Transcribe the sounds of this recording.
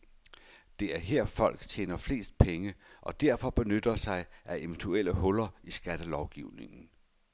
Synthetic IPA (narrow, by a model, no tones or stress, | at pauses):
d̥e̝æɐɦeɐ̰fɒ̽l̰ɡ̥t͡ɕʰḛːnɐfle̝̰ːsd̥̚pʰeŋəʔɒ̽d̥æɐ̰fɒ̽b̥e̝nød̥ɐsɑ̈ɪʔæʔe̝ʋnt͡sʰuel̰əhɔ̽lɐisɡ̥æd̥əlɒʊɡ̥iʊne̝ŋn̩